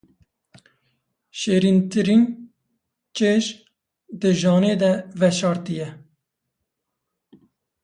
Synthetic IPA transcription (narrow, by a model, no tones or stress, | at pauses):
ʃeːɾint̪ɨɾin | t͡ʃeːʒ | d̪əʒɑːneːd̪ɛvɛʃɑːɾt̪ijɛ